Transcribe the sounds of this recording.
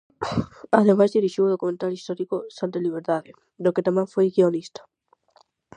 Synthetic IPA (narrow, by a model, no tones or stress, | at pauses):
aðemazðiɾiʃiwðokumẽnt̪alist̪ɔɾikosãnt̪eliβ̞eɾðaðɪ | d̪oket̪amɛ̃ŋfojɣionist̪ḁ